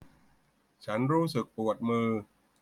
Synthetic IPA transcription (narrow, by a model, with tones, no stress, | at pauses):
t͡ɕʰa˦˥nɾuː˦˥sɯ˨˩k̚pu˨˩ət̪̚mɯː˧